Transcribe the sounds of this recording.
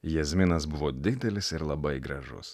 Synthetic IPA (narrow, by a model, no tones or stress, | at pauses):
jɛzʲmʲɪnɐsbʊʋoːd̪ʲɪd̪ʲɛlʲɪsɪɾlˠɐbɐɪɡɾɐʒʊ̰s